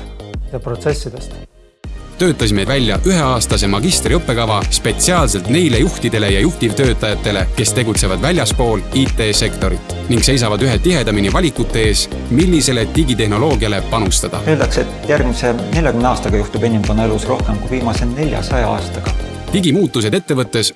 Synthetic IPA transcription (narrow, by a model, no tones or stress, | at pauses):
jɑprot̪sesːid̪̥est̪ | t̪ø̞ːt̪ˑːɑsimed̪vælʲːjɑʔyɦe̞ɑːst̪ɑse̞mɑɡist̪riɤpːe̞kɑvɑspe̞t̪siɑːlse̞lt̪ne̞jle̞juht̪id̪̥e̞le̞jɑjuht̪ivt̪øːt̪ˑːɑjɑt̪ːˑe̞le̞ke̞st̪e̞ɡut̪se̞vɑd̪vælʲjɑspo̞ːliːt̪ːˑe̞ːse̞kt̪o̞ɾit̪ːˑ | niŋɡse̞js̬ɑvɑd̪yɦe̞t̪iɦe̞d̪ɑminivɑlʲikˑut̪ːˑe̞e̞ːs | milʲːise̞le̞t̪iɡit̪e̞hno̞lo̞ːɡiɑle̞pɑnust̪ɑd̪̥ɑ̰e̞ːld̪ɑkset̪ːjærɡmisene̞lʲjɑkymneɑːst̪ɑɡ̥ɑjuht̪ube̞nʲimvɑnːɑe̞lusro̞hkemkuiviːmɑse̞ne̞lʲjɑ̰sɑjɑ̰ɑ̰ːst̪ɑɡ̥ɑ | t̪iɡimuːt̪ːˑus̬e̞d̪et̪ːe̞vɤt̪ˑːe̞s